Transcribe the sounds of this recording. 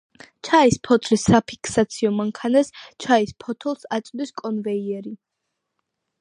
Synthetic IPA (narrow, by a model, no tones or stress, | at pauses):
t͡ʃʰaispʰɔt̪ʰɾisːapʰi̥kʰsat̪sʰiɔmaŋkʰanast͡ʃʰaispʰɔt̪ʰɔlˠsat̪sʼd̪iskʼɔnvɛiɛɾi